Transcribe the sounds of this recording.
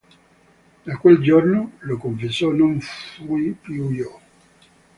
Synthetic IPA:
d̪akweld͡ʒornolokoɱfesɔnoɱfujpjujo

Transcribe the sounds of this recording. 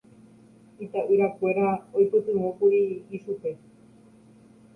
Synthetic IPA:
it̪aʔɨɾakʷe̞ɾaojpɨt̪ɨɦõkuɾiːʃupe̞

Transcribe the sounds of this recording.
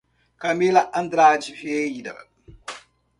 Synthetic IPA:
kamilaʔand̪ɾaːt͡ʃifiejida̰

